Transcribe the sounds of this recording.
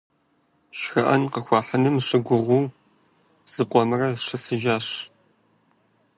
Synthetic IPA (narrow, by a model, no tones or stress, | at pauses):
ʃxɐʔɐnqəxʷɑːħɐnɨmʂɨɡʷʊʁʷuː | z̥ɨqʷʼɔmɨrɐʂɐsɨʒaːɕ